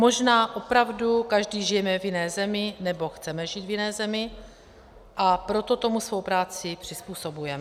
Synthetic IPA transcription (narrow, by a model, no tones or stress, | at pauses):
mo̞ʒnaːʔo̞pɾavdukaʒdiːʒɪjɛmɛvjɪnɛːzɛmɪnɛbo̞xt͡sɛmɛʒiːt̪vjɪnɛːzɛmɪ | ʔapɾo̞t̪o̞t̪o̞musvo̞wpɾaːt͡sɪpr̝̥ɪspuːso̞bujɛmɛ